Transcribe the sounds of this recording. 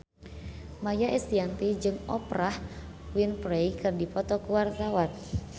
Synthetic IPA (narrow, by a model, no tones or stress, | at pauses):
majaʔɛst̪iant̪id͡ʒɨŋɔprah | winpɾejkɨrdipɔt̪ɔkuwart̪awan